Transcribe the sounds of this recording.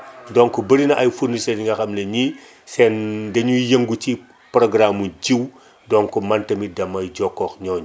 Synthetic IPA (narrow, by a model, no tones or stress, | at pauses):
dɔŋkubɐɾinɐʔajfuɾniseniŋɡɐxɐmleɲi | sɛndeɲujɐŋɡut͡ʃi | pɾoɡɾamuɟiw | dɔŋkumantɐmidɐmɐjɟɔkːɔxɲɔːɲ